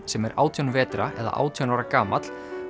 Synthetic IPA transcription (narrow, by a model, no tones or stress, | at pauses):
sɛmɛɾa̰ːwt̪ʰjɔnvɛːt̪ɾaʔɛða̰ʔa̰ːwt̪ʰjɔnawɾakaːmat̪l̥